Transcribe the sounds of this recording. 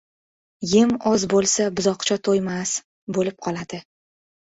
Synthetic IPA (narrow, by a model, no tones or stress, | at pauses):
jɪmɒzbolˠsabʊzɒqt͡ʃʰat̪ʰojmas | bolɪp̚qʰɒlad̪̥ɪ